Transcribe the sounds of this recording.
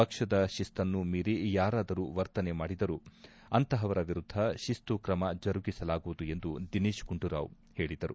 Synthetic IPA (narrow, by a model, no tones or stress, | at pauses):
pɐkʂɐd̪ɐʃist̪ɐnːumiːɾijaːɾaːd̪ɐɾuʋɐɾt̪ɐnemaːɽid̪ɐɾu | ɐnt̪ɐɦɐʋɐɾɐʋiɾud̪ʱːɐʃist̪ukɾɐmɐd͡ʒɐɾuɡisɐlaːɡuʋud̪ue̞nd̪ud̪iniːʃɡuɳɖuɾa̰ːʋ | he̞ːɭid̪ɐɾu